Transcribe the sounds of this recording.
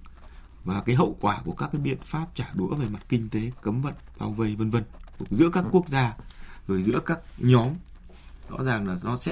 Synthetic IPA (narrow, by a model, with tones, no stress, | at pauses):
vaː˨˩kaː˨˦jɦə̰˧˨wkwaː˧˩ku˧˩əkaː˦˥k̚aː˨˦jɓḭ˧˨ənfaː˦˥p̚t͡ɕaː˧˩ɗu˨˦əve˨˩ma˨˩t̚kï˧ŋ̟t̪e˨˦kə˨˦mvə̰˧˨nɓaː˧wvə˧˩jvə˧nvə˧nku˨˩əkzɨ̰˧˥əkaː˦˥kːu˦˥ək̚zaː˧zo˨˩jzɨ̰˧˥əkaː˦˥k̚ɲɔ˨˦m | zɔ̰˧˥zaː˨˩ŋlaː˨˩zɔ˨˦sɛ̰˧˥